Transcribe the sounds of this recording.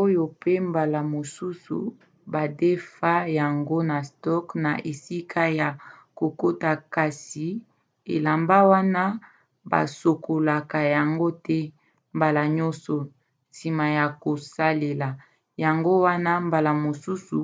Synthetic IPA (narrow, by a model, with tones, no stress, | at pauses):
o˦jo˨pe˦mba˨la˨mo˨su˦sṵ˨ | ba˨de˦fa˦ja˨ŋɡo˦na˨stɔ˦kna˨ʔe˨si˦kʰa˦ja˨ | ko˨ko˦ta˨ka˨si˨ | ḛ˨la˨mba˦wa˦na˦ | ba̰˨so˨kʰo˨la˨ka˨ja˨ŋɡo˦tɛ˦ | mba˨la˨ɲɔ˦nsɔ˨ | si˨ma˨ja˨ko˨sa˦le˨la˨ | ja˨ŋɡo˦wa˦na˦mba˨la˨mo˨su˦su˨